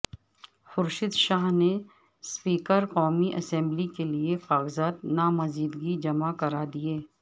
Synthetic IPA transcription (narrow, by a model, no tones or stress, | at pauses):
xʊɾʃɪd̪ʃaːɦne | spiːkəɾqɔːmiʔɐsɛ̃mblikeliefaːɡzaːt̪naːmɐziːd̪ɡid͡ʒɐmakɐɾad̪ieː